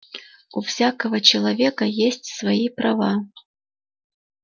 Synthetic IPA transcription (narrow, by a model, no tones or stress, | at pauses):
ufsʲakəvət͡ɕɪlˠɐvʲekəjesʲtʲsvɐipɾɐva